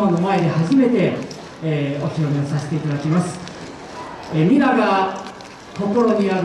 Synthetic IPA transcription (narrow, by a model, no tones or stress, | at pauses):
anomae̞d̪e̞haʑime̞t̪e̞ | o̞çʲiɾo̞mʲeosase̥t̪e̞it̪ad̪akʲimasɨ̥ | emʲinaɡa | ko̞ko̞ɾo̞ɲ̟iaɾ